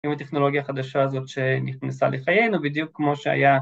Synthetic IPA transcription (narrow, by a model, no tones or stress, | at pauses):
ʔimat̪eχno̞lo̞ɡjaχad̪aʃaːzo̞tʃe̞niχnesa̰lʔeχajejnubid̪jukːmo̞ʃea̰ja